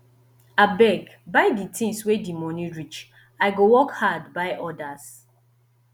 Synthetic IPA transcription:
abɛɡbajditʰĩŋswedimɔniɹit͡ʃ | aɪɡowɔkhadbajʔɔdas

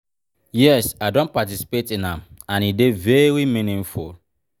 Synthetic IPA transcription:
jɛsaɪdõnpatisi̥petĩnãmãnidevɛɾimĩnĩnfṵl

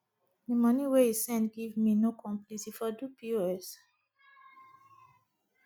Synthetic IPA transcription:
dimʌniweisɛ̃ntɡivminokʰɔ̃mplitifɔdupʰioɛs

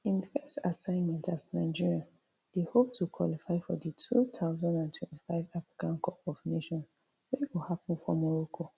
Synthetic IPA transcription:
ĩnfɛstasãɪ̃nmɛ̃ntasnaɪd͡ʒiɹia | d̥ehop̚tʰukʰwɔ̰lifaɪfɔ̰dətʰutʰaʊzãndãntʰwɛ̃nti̥faɪvafɹi̥kãnkʰɔpɔvneʃɔ̃n | wewihapn̩fɔ̰mɔɹɔkʰo

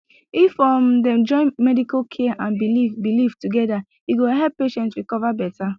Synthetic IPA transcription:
ifɔ̃mdɛ̃md͡ʒɔ̃ɪ̃nmɛdikalkʰɛʔãnbilifbiliftuɡɛda | iɡoɦɛp̚pːeʃɛ̃ntɹikɔvabɛta

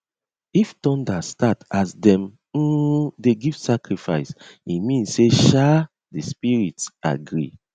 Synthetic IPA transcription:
iftɔ̃ndastatasdɛ̃m̩ | deɡiv̥sakɹifaɪsimĩnseʃa | dispiɹita̰ɡɹi

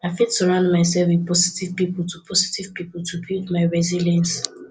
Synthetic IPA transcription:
aɪfidsɔɹãʊ̃ndmaɪs̬ɛlfwiðpɔsi̥tiv̥pipɔl̩tʰupʰɔsi̥tiv̥pipɔltʰubidmaɪɹɛzilɛ̃ns

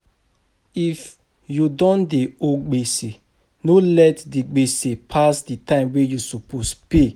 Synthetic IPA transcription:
if | judɔ̃ndeoɡ͡bese | nolɛtdiɡ͡besepʰasditãɪ̃mwejusopospe

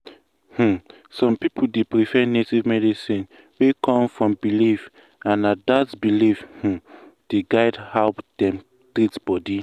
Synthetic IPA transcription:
h̩ | sɔ̃mpipʰudepɹifɛnetivmɛdisĩn | wekɔ̃mfɹɔ̃mbilif | ãnadatbilifh̩d̥eɡaɪdhɛlpd̥ɛ̃m | tɾitb̥ɔdi

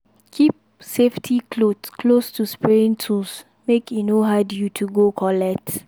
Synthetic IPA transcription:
kʰip̚ | seftʰikʰlodskʰlostʰuspɹɛɹĩntʰus | mekinoɦadjutʰuɡokʰɔlɛt

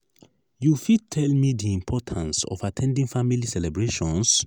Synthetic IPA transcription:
jufid̚tʰɛlmidiĩmpʰɔtʰãnsɔ̰fatʰɛ̃ndĩŋfamilisɛlɛbɹeʃɔ̃ns

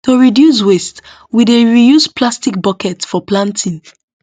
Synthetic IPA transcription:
toɹidjus̬west | wideɹijuspʰlastik̚bɔkɛtfɔplãntʰĩn

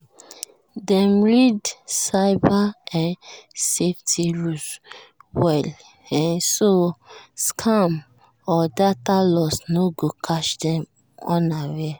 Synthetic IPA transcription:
dɛ̃mɹidsaɪbaãnseftʰiɹutwɛl | ɛnsoskʰam | ɔdatalɔsnoɡokʰaʃdɛ̃m | ɔ̃nawɛ

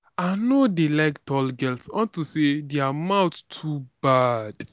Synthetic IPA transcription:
anodelaɪktɔlɡɛltswɔ̃ntusediamãʊtstʰubad̥

